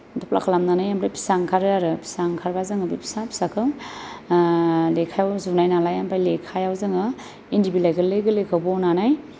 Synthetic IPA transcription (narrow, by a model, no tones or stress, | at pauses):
dɔpla̰kʰlamnanajampʰɾajpʰi̥saŋkʰaɾɯaɾɯpʰi̥saŋkʰaɾbazɯŋɯbipʰi̥sapʰi̥sakʰɯŋ | lekʰajawzunajnalajampʰajlekʰajawzɯŋɯ | indibilajɡɯlːɯɡɯlekʰawbɔnanaj